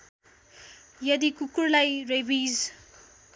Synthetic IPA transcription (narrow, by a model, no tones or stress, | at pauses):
jɐd̪ikukuɾlajɾebiz